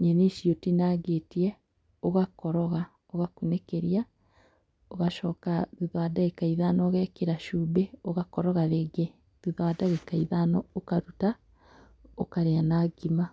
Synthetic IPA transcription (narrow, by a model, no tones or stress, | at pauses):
ɲeneʃjotinaɡetiɛ | oɣakɔɾɔɣa | oɣakunekeɾia | oɣaʃɔːkaðuðwadaɣekaiðanɔɣɛːkeɾaʃuːbeoɣakɔɾɔɣaðeɡe | ðuðwadaɣekaiðanɔokaɾuta | okaɾeanaːɡima